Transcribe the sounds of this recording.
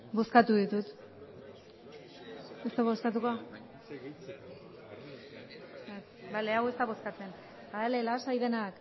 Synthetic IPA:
bo̞skat̪uðit̪ut̪ | est̪aβoskat̪ukoa | es | bale̞awe̞st̪aβo̞skat͡se̞n | aðelelasajðe̞nak

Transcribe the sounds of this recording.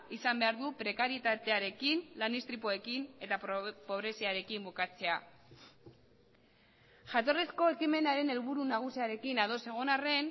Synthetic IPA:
isambe̞aɾðupɾe̞kaɾjet̪at̪e̞aɾe̞kinlanist̪ɾipoekine̞t̪apo̞βɾe̞siaɾe̞kimbukat͡se̞a | ʝat̪o̞resko̞e̞kime̞naɾe̞ne̞lβuɾunaɣ̞usiaɾe̞kinað̞o̞se̞ɣ̞o̞nare̞n

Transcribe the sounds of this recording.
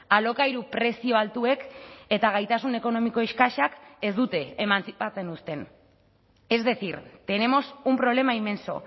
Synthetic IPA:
alo̞kajɾupɾe̞sio̞alt̪ue̞ke̞t̪aɣajt̪asune̞ko̞no̞miko̞eʃkaʃake̞zd̪ut̪e̞ːmant͡sat͡senust̪e̞n | e̞zðe̞siɾt̪e̞ne̞mo̞sumpɾo̞β̞le̞maime̞nso̞̰

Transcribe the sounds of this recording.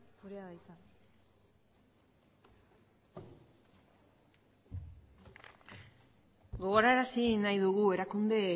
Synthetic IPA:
oɾiaðajsa | ɡo̞ɣ̞o̞ɾaeɾasinajðuɣue̞ɾakund̪e̞

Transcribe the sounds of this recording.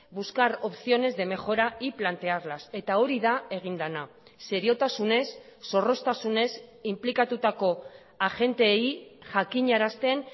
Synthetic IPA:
buskaɾo̞psio̞ne̞zðe̞me̞xo̞ɾaiplant̪e̞arlase̞t̪ao̞ɾiðae̞ɣ̞ind̪ana | se̞ɾio̞t̪asune̞sːo̞ro̞st̪asune̞simplikat̪ut̪ako̞ | aʝe̞nt̪e̞jʝakiɲaɾast̪e̞n

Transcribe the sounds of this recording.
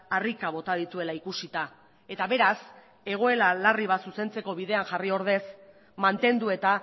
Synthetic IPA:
arikaβo̞t̪að̞it̪ue̞laikusit̪a | e̞t̪aβe̞ɾas | e̞ɣ̞o̞e̞lalariβ̞asuse̞nt͡se̞ko̞βiðe̞anʝario̞ɾð̞e̞s | mant̪e̞nd̪ue̞t̪a

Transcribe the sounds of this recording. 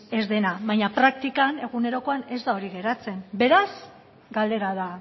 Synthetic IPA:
e̞zðe̞naβajɲapɾak̚t̪ikane̞ɣ̞une̞ɾo̞ko̞ane̞zd̪ao̞ɾiɣe̞ɾat͡se̞mbe̞ɾas | ɡald̪e̞ɾaða

